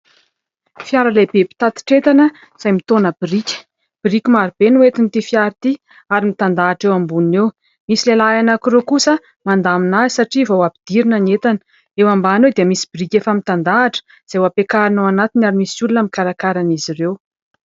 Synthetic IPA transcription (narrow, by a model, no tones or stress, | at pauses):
fjaɾəlabepi̥t̪at̪i̥ʈ͡ʂet̪anə | z̥ajmit̪onəbirikʲə̥ | b̥ɾikʲimaɾib̥enuet̪init̪ifjaɾit̪i | aɾimit̪and̪aːʈ͡ʂewambunew | misilelajanakuɾekusə | mand̪aminazisaʈ͡ʂivowabid̪̥iɾinənet̪anə̥ | ewambanewd̪iəmisibirikʲefəmit̪and̪aːʈ͡ʂə̥ | z̥awapekaɾinowanat̪inaɾimisulunəmikaɾakaɾaniziɾew